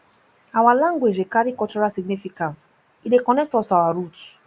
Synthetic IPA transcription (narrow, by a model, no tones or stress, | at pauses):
awalãŋɡwed͡ʒekaɾikɔlt͡ʃɔɹalsiɡ̚nifikãns | idekɔnɛk̚tɔsawaɾut